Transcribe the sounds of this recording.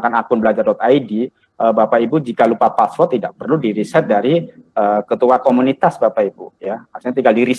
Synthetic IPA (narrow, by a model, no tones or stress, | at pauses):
kanakʊnbəlad͡ʒardɔt̪aidi | ʔəbapaibud͡ʒikalupapaswɔt̪ːidak̚pərludiɾisɛt̪̚daɾiəkət̪uakomunit̪asbapaibujamasɲat̪iŋɡaldiɾis